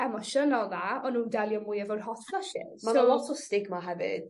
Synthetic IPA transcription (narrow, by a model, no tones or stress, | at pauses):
ɛmɔʃəlɔðaɔnːuːndɛlˠjɔmʊjɛvɔwrɦɔθfləʃɪ̰d̥smanalɔtʰɔstɪɡmaɦɛvɪ̰d̥̚